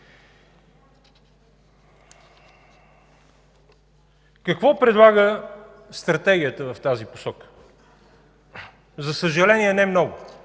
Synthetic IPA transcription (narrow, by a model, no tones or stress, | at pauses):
kəkvɔpɾɛd̪lˠaɡə | st̪ɾɐt̪ɛɡʲijət̪əvəft̪azipo̥sɔkə̥ | zɐsəʒɐlɛniɛnɛmnɔɡʊ